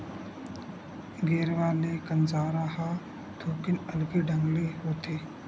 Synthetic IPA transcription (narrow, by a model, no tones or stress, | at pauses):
ɡeːɾʋaːɾnekɐnzaːɾaːha | t̪ʰoːkɪnɐlɡiɖəŋɡliɦoːt̪ʰiː